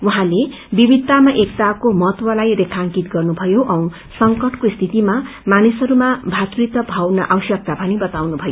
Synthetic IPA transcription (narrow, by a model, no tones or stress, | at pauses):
uɦãle | bibid̪̚t̪ːamaʔek̚t̪akomʌt̪wʌlajrekʰaŋkit̪ɡʌrnubʱʌjoʔʌw̃ | sʌŋkʌʈkoist̪ʰit̪ima | manisʌɾumabʱat̪rit̪ʌbʱawnʌ̰ʔawʌsjʌk̚t̪apʌnibʌt̪awnubʱʌjo